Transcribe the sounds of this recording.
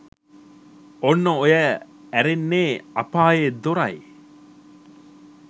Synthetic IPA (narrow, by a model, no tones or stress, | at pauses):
onːoojæ | æɾenːeːɐpaːjed̪oɾɐḛ